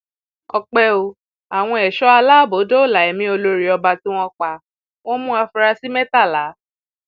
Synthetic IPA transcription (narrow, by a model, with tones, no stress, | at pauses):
ɔ˧k͡pɛ˧o˧ | a˨w̃ɔ̃˧ɛ˨ʃɔ˦a˧laː˦˨bo˨˦do˦o˦˨la˨ɛ˨mĩ˧˦o˧lo˧ɾi˨ɔ˧ba˧tĩ˦w̃ɔ̃˧k͡pa˧ | w̃ɔ̃˦mũ˦a˧fu˧ɾa˧si˦mɛ˦ta˦˨la˨˦